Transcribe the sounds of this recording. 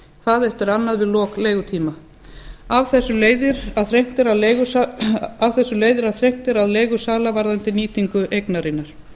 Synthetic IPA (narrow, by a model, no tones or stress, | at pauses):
kθaːðɛft̪ʏɾanːaðvɪðlɔːkleːjɣʏt̪ʰiːma | avθɛsːʏleːjðɪɾaðθɾejm̥t̪ɪɾaðleɣʏ | avθɛsːʏleːjðɪɾaðθɾejm̥t̪ɪɾaðleːjɣʏsaːlavaɾðant̪ɪniːt̪ʰiŋkʏʔejknaɾɪnːaɾ̥